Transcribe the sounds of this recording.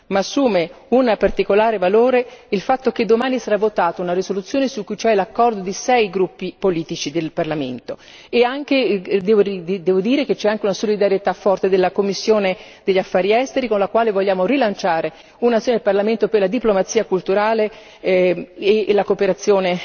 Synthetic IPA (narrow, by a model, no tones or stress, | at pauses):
maːsːuːme | unpart̪ikolaːɾevaloːɾeilfat̪ːok̟ed̪ːomaːnisaɾavːot̪aːt̪ounarisolut̪sːjoːnesukːujt͡ʃɛlakːɔrd̪od̪isɛjɡɾupːipoliːt̪it͡ʃid̪elparlamḛnt̪o | eaŋk̟ed̪ɛːvoid̪ɛːvod̪iːɾeket͡ʃːɛaŋk̟eunasolid̪aɾjet̪afːɔrt̪ed̪elːakomːisːjoːne | d̪eʎːafːaːɾiɛst̪eɾikonlakwaːlevoʎːaːmorilant͡ʃaːɾe | unat̪sjoːned̪elparlament̪operlad̪iplomat̪sːiːakult̪uɾaːle | lakopeɾat̪sːjoːne